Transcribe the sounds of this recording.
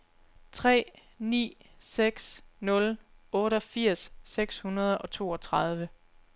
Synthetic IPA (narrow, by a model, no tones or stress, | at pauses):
t͡sʰʁɛ̰ː | nḭːseɡ̥snɔ̽lɔ̽ːɾəɒfiɐ̰sːeɡ̥shunɐð̞ˠɒ̽t͡sʰo̝ːɒ̽t͡sʰʁɑð̞ˠʋə